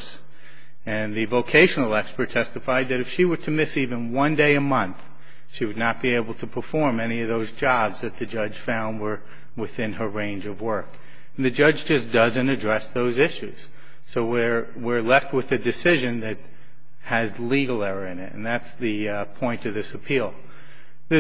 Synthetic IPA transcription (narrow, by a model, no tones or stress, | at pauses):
s | ɨ̃nðɨvoʊkʰeɪʃn̩l̩ˠɛkspə˞tʰɛstɨfaɪd̪̚ðɨɾɨfʃiwə˞ɾɨmɪsivɨ̃nwʌ̃ndeɪɨmʌ̃nθ | ʃiwɨdⁿnət̚b̥ieɪbl̩ˠtʰɨpʰə˞fɔɹmɛñiʌvðoʊzd͡ʒɑbzðɨt̪̚ðɨd͡ʒʌ̥ʒ̥fãʊ̃nd̚wə˞ | wɪθɪ̃nə˞ɹẽɪ̃nd͡ʒʌvwɜ˞k | n̩ðɨd͡ʒʌd͡ʒd͡ʒʌsd̥ʌzɨ̃ñɨdɹɛsðoʊzɪʃʉz̥ | soʊwɪ˞ | wɪɹlɛft̚wɨðɨdɨsɪʒɨ̃nðɨt̚ | hɨzliɡl̩ˠɛɹə˞ɨ̃nɪtɨ̰̃nðætsðɨ | pʰɔ̃ɪ̃ntʌvðɪsɨpʰilˠ | ðɨ